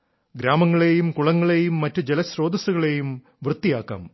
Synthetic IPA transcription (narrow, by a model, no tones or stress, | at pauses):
ɡɾaːmɐŋːɐɭejumkuɭɐŋːɐɭeːjumːɐtːud͡ʑelɐɕro̞ːd̪ɐsuɣɐɭe̞jum | ʋrɨt̪ːijaːkːa̰ːm